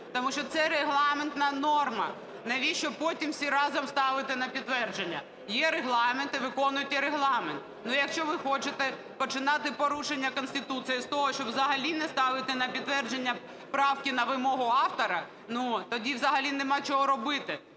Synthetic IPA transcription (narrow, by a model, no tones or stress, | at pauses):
t̪ɔmuʃt͡ʃɔt̪sɛɾeɦlˠɑment̪nɐnɔrmɐ | nɐʋʲiʃt͡ʃɔpɔtʲimsʲiɾɑzɐmst̪ɑʋɪt̪ɪnɐpʲid̪ːʋɛrd͡ʒenʲːɐ | jɛɾeɦlˠɑment̪ɪʋɪkɔnʊjʊt̪ʲjɛɾeɦlˠɑment̪ | nʊjɐkʃt͡ʃɔʋɪxɔt͡ʃɪt̪ɛ | pɔt͡ʃɪnɑt̪ɪpɔɾuʃenʲːɐkɔnsʲt̪ɪt̪ut̪sɨjist̪ɔɦɔʃt͡ʃɔbʋzɐɦɐlʲinɛst̪ɑʋɪt̪ɛnɐpʲid̪ʋɛrd͡ʒenʲːɐ | pɾɑwkʲɪnɐʋɪmɔɦʊɑft̪ɔɾɐ | nut̪ɔdʲiʋzɐɦɐlʲinemɑt͡ʃɔɦɔɾɔbɪt̪ɪ